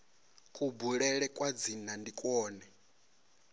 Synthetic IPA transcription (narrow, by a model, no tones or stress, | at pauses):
kʼubuɺɛɺɛkʼwad͡zin̤andikʼwɔːnɛ